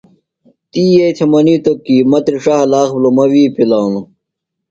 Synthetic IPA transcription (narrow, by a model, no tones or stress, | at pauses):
t̪iːjet͡ɕʰɐmɐniːt̪okːiːmɐt̪ɾiʂaɦɐlaːxblomɐwiːpilaːwnu